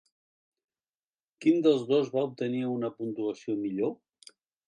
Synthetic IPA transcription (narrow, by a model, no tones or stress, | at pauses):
kind̪əlˠzðozβaup̚t̪əniəunəpunt̪uəsiomiʎo